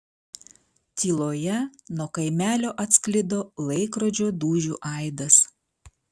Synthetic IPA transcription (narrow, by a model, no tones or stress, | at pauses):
t̪ʲiːlˠoːjɛnuɔkɐɪmʲæːlʲoːʔɐt̪ʲsklʲɪd̪oːlˠɐɪkɾod͡ʒʲoːd̪uːʒʲṵːʔɐɪd̪ɐs